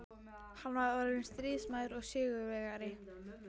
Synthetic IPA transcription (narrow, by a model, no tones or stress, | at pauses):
hanvaðœɾðɪnst̪ɾiːsmajðɾɔɣsɪːɣʏvɛɣaɾɪ